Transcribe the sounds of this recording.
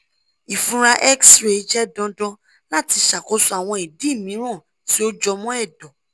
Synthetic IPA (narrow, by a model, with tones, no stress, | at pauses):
i˨fũ˦ɾa˧ʔɛ˦ksɾe˨˦d͡ʒɛ˦dɔ̃˧dɔ̃˧ | la˦˨ti˧ʃa˨ko˨˦su˦a˨w̃ɔ̃˧i˨di˨˦˨mĩ˨˦ɾ̃ɔ̃˦˨ | ti˨˦o˦d͡ʒɔ˧mɔ̃˦ɛ˦˨dɔ̃˨